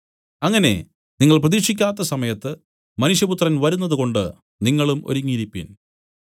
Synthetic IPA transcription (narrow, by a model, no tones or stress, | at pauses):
ɐŋːɐne̞̰ | niŋːɐɭprɐðiːkʂikʲːaːt̪ːɐsɐmɐjɐt̪ːɨ | mɐnuʂjɐput̪rɐnʋɐɾun̪ːɐðuko̞ɳɖɨ | niŋːɐɭumo̞̰ɾuŋːiɾipːḭn